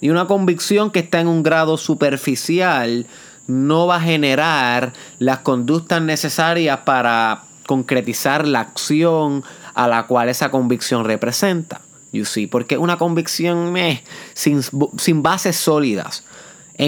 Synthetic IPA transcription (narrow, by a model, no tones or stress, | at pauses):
iunako̞mbiksjo̞ŋkest̪aeŋuŋɡɾaðo̞supe̞ɾfisjal | no̞βaɦe̞ne̞ɾaɾlasko̞nd̪uk̚t̪asne̞se̞saɾjaspaɾa | ko̞ŋkɾe̞t̪isaɾlaːksjo̞ŋa̰lakwale̞sako̞mbiksjo̞ŋre̞pɾe̞sẽ̞nt̪ḁ̰ | jusipo̞ɾke̞ʔunako̞mbiksjo̞ŋmessinsimbase̞sːo̞liða̰s | e